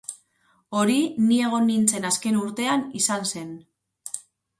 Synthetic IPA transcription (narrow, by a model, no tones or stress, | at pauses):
o̞ɾinie̞ɣ̞o̞nːint͡se̞naske̞nuɾt̪e̞anisanse̞n